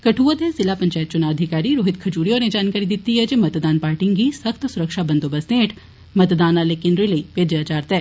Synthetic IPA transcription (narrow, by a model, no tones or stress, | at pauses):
kɐʈʰuːʋət̪ɛzɪlapɐ̃ɲt͡ʃaːət̪̚t͡ʃʊnaːʋəd̪ʱɪkaːɾiɾoːɦɪt̪kʰɐd͡ʒuːɾijoːɾnẽd͡ʒaːnkaːɾid̪ɪt̪ːiɦɛd͡ʒemɐt̪d̪aːnpaːɾʈɪ̃ŋɡisɐxt̪sʊɾəkʃabɐ̃nd̪obɐst̪ẽːʈʰ | mɐt̪d̪aːnaleːkɪnɾɪleipeːd͡ʒəjaːt͡ʃaːɾt̪ɛː